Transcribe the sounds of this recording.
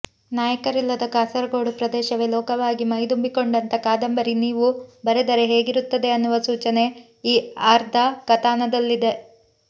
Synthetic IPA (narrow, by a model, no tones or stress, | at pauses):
naːjɐkɐɾilːɐd̪ɐkaːsɐɾɐɡo̞ːɽupɾɐd̪ɛːʃɐʋelɔːkɐʋaːɡimɐjd̪umbiko̞ɳɖɐnt̪ɐkaːd̪ɐmbɐɾiniːʋubɐɾed̪ɐɾeɦe̞ːɡiɾut̪ːɐd̪e̞ɐnːuʋɐsuːt͡ʃɐne̞ | iːaːɾd̪ʱɐkɐt̪aːnɐd̪ɐlːid̪e̞